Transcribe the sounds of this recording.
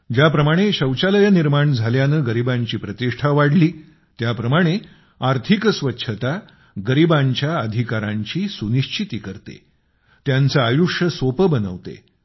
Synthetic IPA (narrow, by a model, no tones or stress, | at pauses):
d͡ʑjapɾəmaɽ̃eɕəwt͡ɕaləjəniɾmaɳd͡zʱaljanəːɡəɾibãɲt͡ɕiːpɾət̪iʂʈʰaʋaɽliː | t̪japɾəmaɽ̃e | aɾt̪ʰikəsʋətːɕʰət̪a | ɡəɾibaɲt͡ɕjaəd̪ʱikaɾãɲt͡ɕiːsuniɕt͡ɕʰit̪iːkəɾt̪ḛ | t̪jant͡səajuʂjəsopəbənə̰ʋt̪ḛ